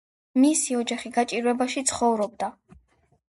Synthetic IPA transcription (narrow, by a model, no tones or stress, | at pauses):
misiɔd͡ʒaχiɡat͡ʃʼiɾwɛbaʃit̪sʰχɔvɾɔb̚d̪a